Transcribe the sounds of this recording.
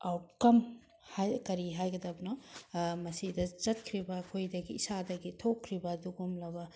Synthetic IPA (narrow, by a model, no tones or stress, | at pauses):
awt̚kɐm | hajkɐɾiɦajɡɐdɐbɐnomɐsidɐzɐt̚kʰɾibɐːkʰojdɐɡiːsadɐɡitʰokʰːɾibɐduɡumlɐbɐ